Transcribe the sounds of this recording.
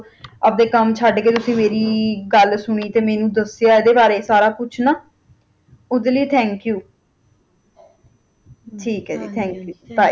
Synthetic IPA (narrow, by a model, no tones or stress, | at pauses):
əp̚d̪eːkəmt͡ʃʰəɖkeːt̪ʊsĩːmeːɾiːɡəlsʊɽ̃iːt̪eːmɛːnũːd̪əsjaːeːd̪eːbaːɾeːsaːɾaːkʊt͡ʃʰnaː | ʊd̪eːləiːt̪ʰɛ̃ːŋkjuː | ʈʰiːkɦɛːd̪ḭːt̪ʰɛ̃ːŋkjuːbaːi